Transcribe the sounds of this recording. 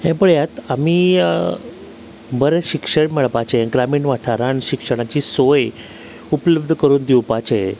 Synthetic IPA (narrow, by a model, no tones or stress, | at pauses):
ɦɛ̃pəɭjat̪amiː | bəɾẽɕikʂəɳmɛɭpat͡ɕeɛ̃ɡɾamiːnʋaʈʰaɾaɳɕikʂəɽ̃at͡ɕiːsoj | upləbd̪ʱkəɾuːnd̪iwpat͡ɕe